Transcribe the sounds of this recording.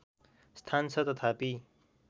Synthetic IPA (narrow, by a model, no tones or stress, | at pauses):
st̪ʰant͡sʰʌt̪ʌt̪ʰapi